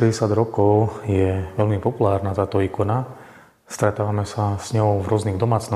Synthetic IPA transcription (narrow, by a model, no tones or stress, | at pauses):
ɛɟɛsjad̪ɾɔkɔʊjɛʋɛlmipɔpulaːɾnat̪aːt̪ɔiːkɔna | st̪ɾɛt̪aːʋamɛsaz̥ɲɔʊvɾʊɔzniɣd̪ɔmaːt͡snɔ